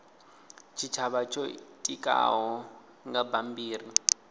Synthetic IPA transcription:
t͡ʃʰit͡ʃʰaβat͡ʃʼɔtʼikʼa̰ɦɔ | ŋɡabambiːri

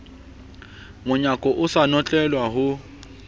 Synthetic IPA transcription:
mʊɲakʼɔʔʊsanɔt͡ɬʼɛlwaɦʊ

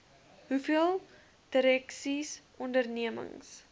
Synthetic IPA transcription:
ɦufiəlˠ | d̥əɾɛksisʔɔndərniəmə̰ŋs

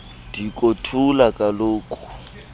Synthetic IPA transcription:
d̥ikʼotʰulakʼaloːkʼu̥

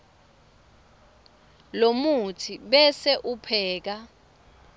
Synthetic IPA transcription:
lomutʰiɓɛsɛʔupʰɛːk̬a

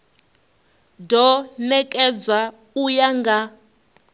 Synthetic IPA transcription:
dʱɔnɛkʼɛd͡zwa | ujaŋɡa

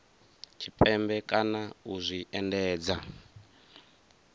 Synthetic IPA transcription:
t͡ʃʰipʼɛmbɛkʼanauzʷiʔɛndɛːd͡za

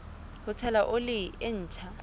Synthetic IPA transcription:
hʊt͡sʰɛlaʔʊlɪɪn̩ːt͡ʃʰa

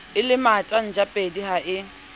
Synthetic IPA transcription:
ɪlɪmatʼan̩d͡ʒapʼediɦaʔɪ

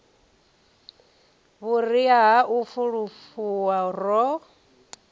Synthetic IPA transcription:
βuriaɦaʔufuɺufuwarɔ

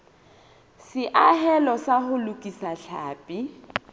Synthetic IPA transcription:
sɪʔaɦɛlɔsahʊlʊkʼisaɬʰaːpʼi

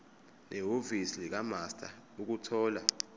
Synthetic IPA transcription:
nʔɛɦovisilik̬amastʰʼa̰uk̬utʰɔːla

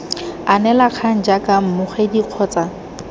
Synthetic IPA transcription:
anɛlaq͡χʰan̩d͡ʒakam̩mʊχɛdiq͡χʰɔːt͡sa

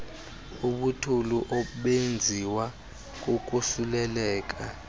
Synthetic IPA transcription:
uɓutʰuluʔɔɓend͡zʱiwa | k̬uk̬usulɛlɛːk̬a

